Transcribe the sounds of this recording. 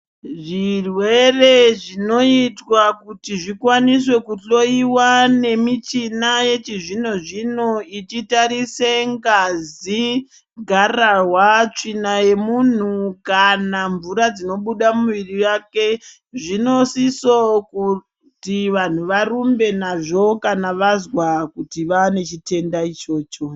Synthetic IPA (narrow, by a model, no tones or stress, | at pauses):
ʐirwe̞re̞ʐino̞itwakutiʐikwanis̬we̞kuɬo̞iwane̞mit͡ʃinaje̞t͡ʃiʐin̤oʐinoit͡ʃitaɾiseŋɡazi | ɡʱarawat͡ʂinaje̞mun̤ukanaɱvuɾad͡zino̞ɓuɗamuʋirijake̞ | ʐino̞siso̞ku | tiʋan̤uʋaɾumbe̞naʐo̞kanaʋazwakutiʋane̞t͡ʃite̞ndait͡ʃo̞ːt͡ʃo